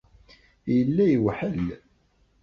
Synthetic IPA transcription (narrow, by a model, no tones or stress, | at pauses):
jəlːæjəwħəl